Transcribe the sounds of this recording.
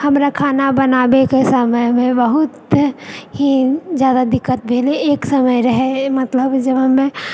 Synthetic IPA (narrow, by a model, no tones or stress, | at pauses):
həmɾakʰaːnabənaːbekesəməjmẽbəɦʊt̪ | ɦizjaːd̪ad̪ɪkːət̪̚bʱeːleeːksəməjɾəɦemət̪ləbd͡ʒəbɦəmẽ